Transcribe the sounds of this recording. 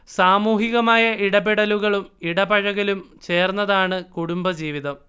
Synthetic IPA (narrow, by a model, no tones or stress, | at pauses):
saːmuːɦiɣɐmaːjɐiɽɐbiɽɐluɣɐɭumiɽɐbɐɻɐɣɐlumt͡ɕe̞ːrnːɐðaːɳɨkuɽumbɐd͡ʑiːʋiðɐm